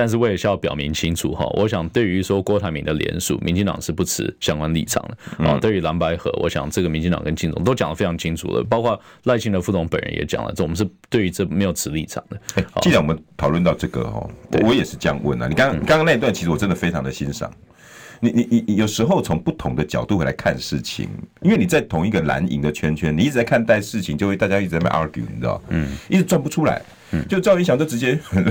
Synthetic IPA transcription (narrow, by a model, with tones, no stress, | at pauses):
t̪a˥˧nʂ̬ɻ̩˥˧wɪɛ˨˩ɕa˥˦jɑ˥˩pjɑ˨˩ʊmi˧˥ŋt͡ɕʰi˥nt͡sʰṵ˨˩xɔ̰˧wʔɔ̰˧˦ɕjɑ˨˩ŋt̪we˥˩ɪy˧˥swɔ˥kwɔ˧˥t̪ʰa˧˥mi˧˥nd̪ə˧ljɛ̰˧˥nʂṵ˥˩mʔḭ˧nt͡ɕi˥˧ŋt̪ɑ̰˨˩ŋʂɻ̩˥˧pu˥˩t͡sʰɻ̩˧˥ɕjɑ˥ŋkwa˦nlḭ˥˩ʈ͡ʂʰɑ̰˨˩ŋd̪ə˦ɔ̰˥˧t̪we˥˩ɪy˧˥la˧˥npa˧˥ɪxɤ̰˧˥wʔɔ̰˧˥ɕjɑ̰˨˩ŋʈ͡ʂɤ˥˩ɡə˩mi˧˥t͡ɕi˥˧ŋt̪ɑ˨ŋkə˦nt͡ɕi˥˩nt͡sʊ̰˧˦ŋt̪o˥ʊt͡ɕɑ˨˩ŋlə˦fe˥ɪɑ˧˥ŋt͡ɕʰi˥nt͡sʰṵ˨˩lə̰˦pɑ˥ʊkʰwa˥˧ | la˥˧ɪɕi˥nd̪ə˧fu˥˩t̪ʰʊ˧˥ŋpə̰˨˩nɻə̰˦˥njɛ̰˧˥t͡ɕjɑ̰˨˩ŋlə̰˦˥˩mə˦ʂɻ̩˥˧t̪we˥˩ɪy˧˥t͡sɤ˥˩me˧˥ɪjo˨˩ʊt͡s̩ʰ˧˥li˥˩ʈ͡ʂʰɑ̰˨˩ŋd̪ə˦e˥˩ɔ̰˥i˥˩a˦wmə˦nt̪ʰɑ˨˩ʊlwə˥˧nt̪ɑ˥˧ʊʈ͡ʂɤ˥˩ɡə̰˨˩xɔ̰˩w̰wɔ˧˦jɛ˨˩ʂɻ̩˥˧t͡ɕə˥jɑ˥˧ŋwə̰˥˩na̰˨˩ni˨˩kɑ˥˦ŋ˥n˨˩kɑ˥ŋ˥na˥˧t̪wa˥˩nt͡ɕʰi˧˥ʂɻ̩˧wɔ˨˩ʈ͡ʂə˦nd̪ə˨fe˥ɪʈ͡ʂʰɑ˧˥ŋd̪ə˨ɕi˦nʂɑ̰˨˩˦ŋ | ni˨˩ni˨ni˨jo˨˩ʊʂɻ̩˧˥xo˥˩ʊt͡sʰo˧˥ŋpu˥˩t̪ʰʊ˧˥ŋd̪ə˧t͡ɕjɑ˨˩ʊt̪u˥xwe˥˩la̰˧ɪkʰa̰˥˧nʂɻ̩˥˩t͡ɕʰḭ˨˩ŋi˥nwe˥˩ni˨˩t͡sa˥˩ɪt̪ʰʊ˧˥ŋi˥˧ɡə˨la̰˧˥nḭ˧˥ŋd̪ə˨t͡ɕʰɥɛ˥nt͡ɕʰɥɛ˥ni˨i˥˩ʈ͡ʂɻ̩˨t͡sa˥˩kʰnt̪a˥˧ɪʂɻ̩˥˩t͡ɕʰi˨˦ŋt͡ɕjo˥˧xwe˥˧ɪa˥˧t͡ɕa˥i˥˩˨t͡sa˥˩ma̰˨˩ʔa˧˥kjṵ˨˩nd̪ə̰˨i˥˩t͡s̩ɻ̩˧t͡swa˥˩npu˧ʈ͡ʂʰu˥la̰˧˦ɪ | t͡ɕo˥˧ʊʂ̩˥˧˨i˥˩ɕɑ˧ŋ˦t͡ɕjo˥˩ʊʈ͡ʂɻ̩˧˥t͡ɕjɛ˦˥